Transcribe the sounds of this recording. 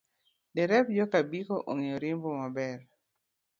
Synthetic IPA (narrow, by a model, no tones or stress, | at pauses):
dɛɾɛp̚d͡ʒɔkabikoʔoŋeoɾɪmbɔmabɛɾ